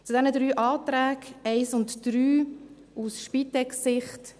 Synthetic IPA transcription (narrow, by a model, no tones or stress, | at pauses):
t͡sudɛnəd̪ɾyːʔɑːtɾæːkɛɪsʊntd̥ɾyː | usʃpitɛksɪχt